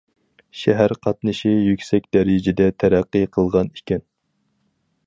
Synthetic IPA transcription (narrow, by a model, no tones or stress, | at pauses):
ʃɛɦæɾqʰɑt̪̚nɨʃijykʲsɛk̚ʲd̪ɛɾɪd͡ʒɪd̪ɛt̪ʰæɾæqːɨqʰəlˠʁɑnikʲɛn